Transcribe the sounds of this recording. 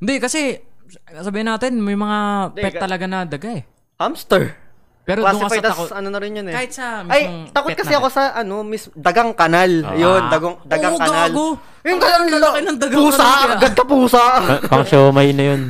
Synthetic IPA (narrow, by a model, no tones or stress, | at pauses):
ɪnd̪ɛkɐsɛ | sɐbiːhɐnːaːt̪ɪnmɐjmɐŋapɛt̪̚ːɐlɐɡanɐd̪ɐɡaɛ | hɐmst̪ɛɹ | pɛːɾodaʊŋkɐfɐt̪ɐɐskoɐnonɐɾɪnjɐnkaːhɪt̪̚sɐmɐjot̪ɐkotɛt̪̚kɐɪɐkosɐʔɐnomismd̪ɐɡaŋkɐnaljond̪ɐɡoŋd̪ɐɡakɐɡɐnalɡo | jʊŋkɐlɐŋkɪnːɐŋd̪ɐɡauːsaɡɐd̪̚kɐpuːsɐɐpɐŋʃoːmɐjnɐjon